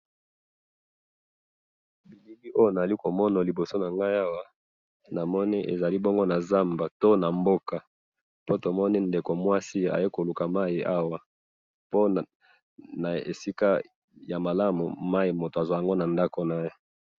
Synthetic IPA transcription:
bi˨li˦li˦ʔo˦jo˦na˨za˨li˦ko˨mɔ˦na˨li˨bo˨so˦na˨ŋɡa˦i˦a˦wa˨ | na˨mɔ˦ni˦ʔḛ˨za˨li˦bɔ˦ŋɡo˦na˨za˦mba˨to˦na˨mbo˦ka˨ | po˦to˨mɔ˦ni˦nde˨ko˨mwa˦si˦a̰˨je˦ko˨lu˨ka˨ma˦i˨ʔa˦wa˨ | po˦ | na˨ḛ˨si˦ka˦ | ja˨ma˨la˦mṵ˨ma˦i˨mo˨to˨a˨zwa˦ja˨ŋɡo˦na˨nda˦ko˨na˨je˦

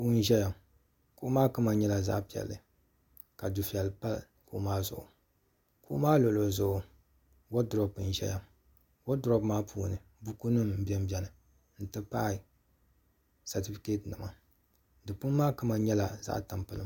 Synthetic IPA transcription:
puː˦n̩˦ʒɛ˦ja˨ | kʊ˦ʔʊ˦maː˦kɨ˦ma˨ɲɛ˦la˨za̰˦ʔpi˨ɛ̰˨lːɨ˨ | ka˨du˨fi˨ɛ˨lːɨ˨pa˦lko˦ʔmaː˦zʊ̰˨ʔʊ̰˨ | kʊ˦ʔmaː˦lo˨lo˨zʊ˨ʔʊ˨ | wo˦dʊ˨ɾɔ˦pɨ˨n˨ʒɛ̰˦ja˦m | wo˦dɔ˦bmaː˦pʰuː˦nɨ˨ | bu˦ku˦nɨ˦m̩˨˦bɛ˦m˦bɛ˦nɨ˨ | n̩˦tɨ˦pa˦˨ | sa˨ti˦fi̥˦ke˦tnɨ˨ma˨ | dɨ˨pu˦n˦maː˦kɨ˦ma˨ɲɛ˦la˨za̰˦ʔta˨mpɨ˨lɨ˦

